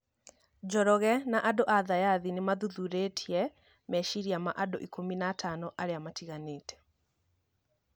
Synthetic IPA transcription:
d͡ʑɔɾɔɣɛnaʔadoʔaðajaðinemaðuðuɾetʰiɛ | mɛʃiɾiamaʔado̰ʔikominatʰanɔʔaɾeamatiɣaneːtɛ̥

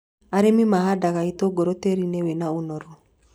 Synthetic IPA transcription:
aɾemimaɦadaɣaitoɡoɾoteɾinewenaonɔɾɔ

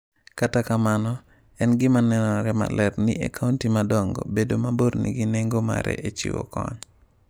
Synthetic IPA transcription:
katakamanɔ | ɛnɡɪmanɛnɔɾɛma̰lɛrniakʰauntimadɔŋɡɔ̰bedomaboɾnḭɡineŋɡoma̰ɾɛ̰ʔet͡ʃḭwo̰kɔ̰ɲ

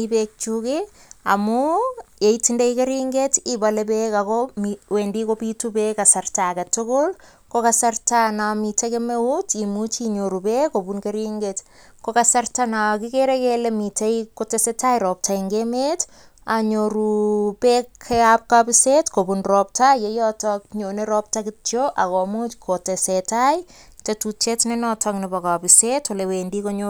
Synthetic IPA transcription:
ipek̚t͡ʃuke | a̰mujeitindejkeɾiŋɡetibalepekakomiwendikopitupɛkasartakatʊkʊl | kokasartanamitakemeutimut͡ʃiɲoɾupekobunkeɾiŋɡet | kokasartanakikeɾekelemitejkotɛsetajɾɔp̚tʰaiŋɡemet | aɲoɾupekʰːeap̚kapisetkopunrɔp̚tajejɔtɔk̚ɲoneɾɔp̚takɪtjoʔakɔmut͡ʃkʰotesetaj | tetut͡ʃetnenɔtʰɔknipɔkapisetɔlewendikoɲo

